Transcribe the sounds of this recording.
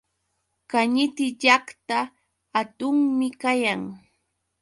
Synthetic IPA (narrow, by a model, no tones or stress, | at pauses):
kaɲɪt̪ɪʎakt̪aː | t̪ʊŋmɪkajaŋ